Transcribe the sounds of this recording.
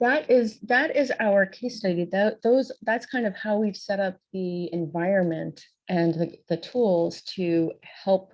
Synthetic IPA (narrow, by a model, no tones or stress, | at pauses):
ðəɾɪzðɨɾɪzaʊə˞kʰeɪstʌɾiðoʊðoʊzðætskʰãɪ̃ndʌv̥haʊwiv̥sɛɾʌp̚ðiɨ̃ɱvaɪɹɨ̃nmɨ̃nt | ʔɨ̃nðɨðɨtʰulˠz̥tʰɨhɛlˠp̚